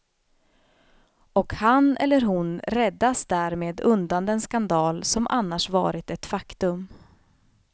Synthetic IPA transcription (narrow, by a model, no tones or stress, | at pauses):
ɔkhanɛ̰lːəɾɦʊnɾɛd̪ːasd̪æːɾmeːd̪ɵnd̪and̪əɛnskand̪ɑːlsɔmʔa̰nːaʂvɑ̰ːɾɪt̪ɛt̪fakt̪ɵm